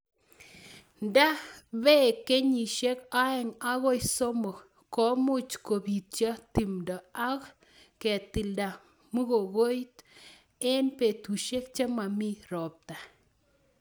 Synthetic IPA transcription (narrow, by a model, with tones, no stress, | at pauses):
nda˦βe˦˨kːe˦ɲi˨ʃe˦ka˦e˨ŋa˦ɣo˦jso˦mo˨ | kɔ˦mu˦t͡ʃko˨bi˨t̚t͡ʃja˦t̪i˨mda˨a˦k | kɛ˨t̪i˨lda˨ | mu˦ɣo˨ɣo˦jt̪ | e˦npe˨t̪u˨ʃe˦k̚t͡ʃe˦ma˨mi˦ɾɔ˨p̚t̪a˨